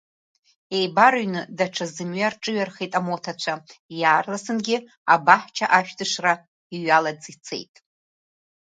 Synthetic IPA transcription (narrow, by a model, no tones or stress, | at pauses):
e̞jbaɾɥnɨdaʈ͡ʂʰazɨmɥarʈ͡ʂʼɨɥarχejtʼamotʰat͡ɕʷʰajaːrlasɨnɡʲɪ | abaħt͡ʃʰaʔaʃᶣdɨʂra | iɥalad͡zit͡sʰe̞̰jtʼ